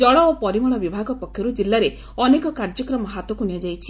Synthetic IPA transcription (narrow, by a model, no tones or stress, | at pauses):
d͡ʒɔɭɔopɔɾimɔɭɔbibʱaɡɔpɔkʰjɔɾud͡ʒilːaɾe | ɔnekɔkaɾd͡ʒɔkɾɔmɔɦat̪ɔkunijad͡ʒajt͡ʃʰi̥